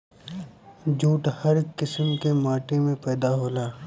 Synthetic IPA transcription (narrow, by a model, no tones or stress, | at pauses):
d͡ʒuːʈhɐɾkːɪsəmkemaːʈemẽpɛːd̪aɦoːlaː